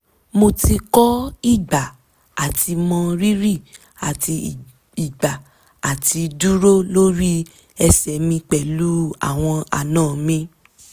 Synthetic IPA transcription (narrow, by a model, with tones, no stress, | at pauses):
mo˧ti˧kɔ˦i˦˨ɡ͡ba˨ | a˨tʰi˧mɔ̃˧ɾi˦ɾi˦˨ | a˨ti˧ | i˨ɡ͡ba˨ | a˨ti˧du˦ɾo˦lo˦ɾi˦ | ɛ˧sɛ˨mĩ˧k͡pɛ˨lu˦a̰˦˨w̃ɔ̃˧a̰˨nãː˦˨mĩ˧